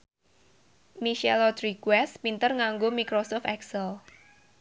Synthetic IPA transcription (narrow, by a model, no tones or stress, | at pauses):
miʃɛlɔt̪ɾikwɛspint̪ərŋaŋɡomikɾosɔft̪ɛksəl